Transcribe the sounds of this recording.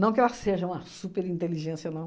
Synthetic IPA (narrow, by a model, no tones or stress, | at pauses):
nɐ̃w̃kɪɛlɐseʒɐũmɐsupeɾĩnt̪eliʒẽsjɐnõ